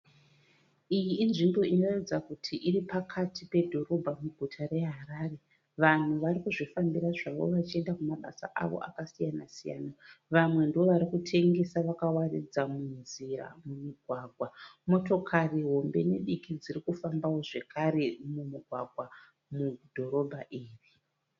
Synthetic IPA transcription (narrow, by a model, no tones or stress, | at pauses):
ijiːnʐimbo̞ino̞read͡zakutʰiʔiripakʰatʰipe̞dʱo̞ɾo̞bʱamuɡʱutʰare̞ɦaɾaːre̞ | ʋan̤uʋaɾikuʐifambiraʐaʋo̞̰ʋat͡ʃie̞ndakumaɓa̰sa̰ʔa̰ʋo̰ʔa̰kasijanasija̰ːnaʋamwe̞ndo̞ʋaɾikutʰe̞ŋɡe̞saʋakawarḭd͡zamunziɾa̰mumiɡʱwaːɡʱwamo̞to̞kʰariɦo̞mbe̞neɗikid͡zirikufambawo̞ʐe̞kʰaɾe̞mumiɡʱwa̰ɡʱwa | mudʱo̞ɾo̞bʱaʔiːri